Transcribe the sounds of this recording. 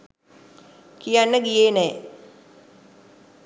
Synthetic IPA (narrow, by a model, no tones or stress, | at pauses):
kijanːəɡijeːnɛː